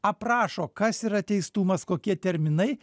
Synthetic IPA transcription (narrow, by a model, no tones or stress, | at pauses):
ɐpɾɑːʃoːkɐsiːɾɐt̪ʲɛɪst̪uːmɐskoːkʲiɛt̪ʲɛɾʲmʲɪnɐɪ